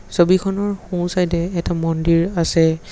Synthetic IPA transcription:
sobikʰɔnɔɹxũsajtɛːtamɔndiɹasɛ

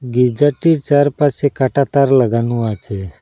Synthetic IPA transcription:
ɡid͡ʒaʈit͡ʃaɾpasekaʈat̪aɾləɡanũat͡ʃe

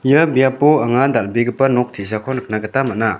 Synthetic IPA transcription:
jəbijapoɐŋadalbiɡɯpɐnɔk̚tʰis̬akʰɔnk̚nakətamaʔna

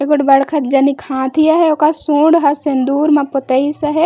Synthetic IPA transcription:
eɡʊʈbɐɽkʰət̪̚d͡ʒɐnikʰãːt̪ʰijaɦɛokasũːɖɦɐsend̪uːɾmɐpʊt̪ɐisɐɦe

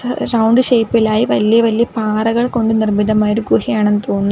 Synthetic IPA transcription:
ɾɐwɳɖɨɕejpːilaːjiʋɐlijɐʋɐlijɐpaːrɐɣɐɭko̞ɳɖɨnirmiðɐmaːjoɾuɡɾuhijaːɳenːut̪oːnunː

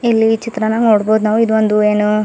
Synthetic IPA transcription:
ilːit͡ʃit̪ɾɐnɐnoːɽboːd̪unaːʋuid̪ʋond̪ueːnu

